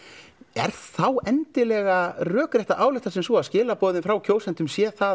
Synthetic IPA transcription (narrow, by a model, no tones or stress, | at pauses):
ɛ̰ɾ̥θawɛnt̪ɪlɛɣarœːkɾɛht̪aʔaːwlɪht̪asɛmsvɔascɪːlapɔːðɪnfɾawcʰoːwsɛnt̪ʏmsjɛθa